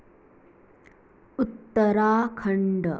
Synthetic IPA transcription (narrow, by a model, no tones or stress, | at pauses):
ut̪ːɐɾaːkʰɐɳɖɐ